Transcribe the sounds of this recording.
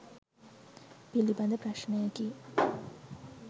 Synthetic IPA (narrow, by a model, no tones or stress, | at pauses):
pilibɐnd̪əpɾaʃnejaki